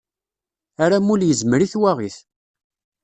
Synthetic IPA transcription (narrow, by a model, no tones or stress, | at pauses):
aɾamuljəzməɾiθwaʁiθ